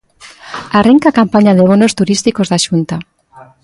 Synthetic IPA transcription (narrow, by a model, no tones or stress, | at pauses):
areŋkakampaɲaðeβ̞onost̪uɾist̪ikozðaʃunt̪a